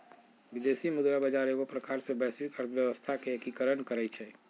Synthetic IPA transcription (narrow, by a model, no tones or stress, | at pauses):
ʋid̪esimʊd̪ɾabəd͡ʒaɾekopɾəkaɾsẽbɛːsbikəɾt̪ʰəʋjəʋəst̪ʰakekikəɾənkəɾɛt͡ʃʰɛ